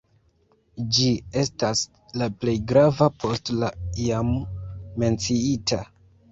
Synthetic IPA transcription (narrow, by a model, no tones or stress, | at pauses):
d͡ʒie̞stas | laple̞jɡɾavapʰo̞stlaiamː | e̞nt͡siitʰa